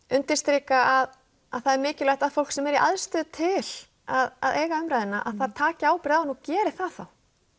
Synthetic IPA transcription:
ʏnt̪ɪst̪ɾiːkaʔað | aðθaðɛɾmɪːcɪlajht̪aðfowl̥ksɛmɛɾiʔa̰ðst̪ʏːt̪ʰɪl̥ | aða̰ðeːjɣaʏmɾajðɪnaʔa̰ðθaðt̪ʰaːcɪaːwpɪɾanucɛːɾɪθaðθaw

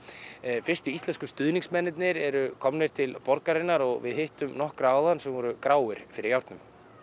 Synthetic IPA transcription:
fɪr̥st̪ʏist̪lɛnskʏ̥st̪ʏðniŋsmɛnɪt̪̬nɪɾɛɾʏkʰɔmnɪɾ̥t̪ʰɪlpɔɾkaɾɪnːaɾɔɣvɪ̰ðhɪht̪ʏmnɔhkɾaawðansɛmvɔɾʏkɾaːwɪɾ̥fɪɾɪɾjawɾt̪nʏm

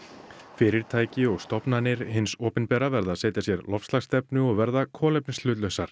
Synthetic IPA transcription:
fɪːɾɪɾ̥t̪ʰaːjcɪɔɣst̪ɔpnanɪɾ̥ɦɪnsɔːpɪnpɛːɾavɛɾðaseːjt̪jasjɛɾlɔfst̪laɣst̪ɛpnʏɔɣvɛɾðakʰɔːlɛp̚nslʏːt̪lœsaɾ̥

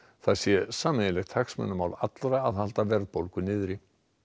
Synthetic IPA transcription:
θaðsjɛsaːmɪɪlɛxt̪ʰaksmɛ̰nːʏmaːwla̰t̪lɾaːðhal̥t̪avɛɾðpowlkʏnɪːðɾi

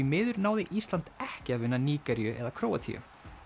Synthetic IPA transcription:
imɪːðʏɾnaːwðɪʔist̪lant̪ɛhcɪaðvɪnːaniːkaɾjʏʔɛðakʰɾoːwat̪ʰḭʏ̰

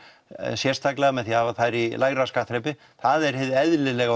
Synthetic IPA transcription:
sjɛrst̪ʰaklɪɣamɛðθiaːvaθaɾilaɣɾaskaht̪ɾɛjpɪ | θaðɛɾ̥hɪðɛðlɪlɛɣ

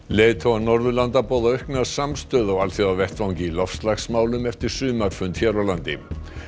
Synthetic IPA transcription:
leːt̪ʰoanɔɾðʏlant̪apɔːwðaœɥhkmɛðasamst̪œːðɔɣalθɛawvɛht̪vawŋcɪilɔfst̪laxsmaːwlʏmɛft̪ɪɾ̥sʏːmaɾ̥fʏnt̪çɛɾawlant̪ɪ

